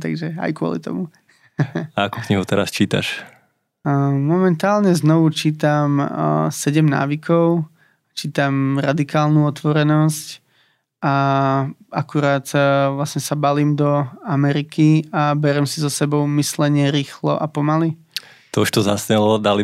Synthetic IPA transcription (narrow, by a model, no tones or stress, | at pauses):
t̪a̰ɡʒɛa̰jkʊɔ̰lḭt̪ɔ̰mu | aakukɲiɦut̪ɛɾa̰st͡ʃiːt̪a̰ʃ | mɔmɛnt̪aːlɲɛznɔʋut͡ʃiːt̪amsɛɟɛmna̰ːʋikʰɔʊ | t͡ʃiːt̪amɾad̪ikaːlnuɔt̪ʋɔɾɛnɔsc | ʔa | akuɾaːt̪ʋlasɲɛsabaliːmd̪ɔamɛɾikiabɛɾɛmsizɔsɛbɔʊmislɛɲɪɛɾiːxlɔ̰ʔapɔmali | t̪ɔuʃt̪ɔzasɲɛlɔd̪ali